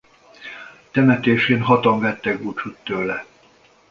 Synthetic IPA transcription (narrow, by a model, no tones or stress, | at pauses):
t̪ɛmɛt̪eːʃeːnɦɒt̪ɒɱvɛt̪ːɛɡbut͡ʃut̪ːøːlːɛ